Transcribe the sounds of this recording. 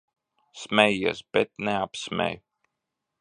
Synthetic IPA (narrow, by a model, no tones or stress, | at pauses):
smʲɛjisbɛt̪̚nɛapsmʲɛ̰j